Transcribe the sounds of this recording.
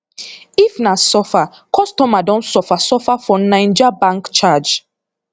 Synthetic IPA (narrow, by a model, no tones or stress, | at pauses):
ifnasɔfa | kʰɔstɔmadɔ̃ntsɔfasɔfafɔnãɪ̃nd͡ʒabãŋkt͡ʃad͡ʒ